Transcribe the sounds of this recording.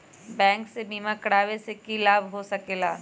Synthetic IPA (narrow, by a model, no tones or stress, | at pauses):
bɛ̃ːŋksebʱiːmakɽaːʋesekilaːbɦosɐkeːlaː